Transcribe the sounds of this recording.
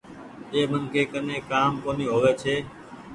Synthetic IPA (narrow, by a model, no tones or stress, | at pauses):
eːmənkeːkəneːkaːmkoːniːɦoːʋeːt͡ʃʰeː